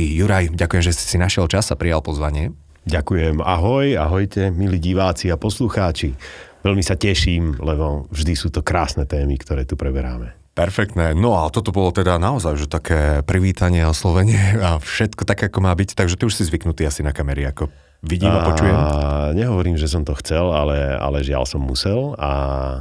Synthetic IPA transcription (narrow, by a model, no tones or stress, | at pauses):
juɾajɟakujɛmʒɛssinaʃjɛlt͡ʃasapɾijalˠpɔzʋaɲɪɛ | ɟakujɛma̰ɦɔjaɦɔjcɛmiliːɟiʋaːt͡siapɔsluxaːt͡ʃiʋɛlmisacɛʃiːmlɛbɔvʒd̪isuːt̪ɔkɾaːsnɛt̪ɛːmikt̪ɔɾɛːt̪upɾɛbɛɾa̰ːmɛ | pɛɾfɛk̚t̪nɛːnɔat̪ɔt̪ɔbɔlɔt̪ɛd̪anaɔzajʒɛt̪akʰɛːpɾiʋiːt̪aɲɪɛɔslɔʋɛɲɪɛafʃɛt̪kɔt̪akɛakɔmaːbict̪aɡʒɛt̪iuʃsizʋiknut̪iːasinakamɛɾiakɔ | ʋiɟiːmapɔt͡ʃujɛmɲɛɦɔʋɔɾiːmʒɛs̬ɔmt̪ɔxt͡sɛla̰lɛa̰lɛʒɪa̰lsɔmːusɛla